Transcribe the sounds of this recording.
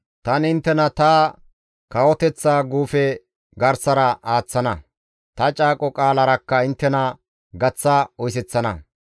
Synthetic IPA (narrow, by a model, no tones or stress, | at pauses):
t̪ɐnɪnt̪ːɛnɐt̪a | kɐwɔt̪ɛt͡sːaːɡuːfɛ | ɡɐɾsɐɾɐaːt͡sːɐnɐ | t̪ɐt͡ʃʼaːkʼɔkʼaːlɐɾɐkːɐɪnt̪ːɛnɐ | ɡɐt͡sːɐɔjs̬ɛt͡sːɐnɐ̰